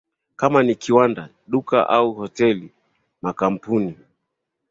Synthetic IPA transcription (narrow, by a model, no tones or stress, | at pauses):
kamanikiwanda | ɗuka̰ʔauhɔtɛli | makam̩puni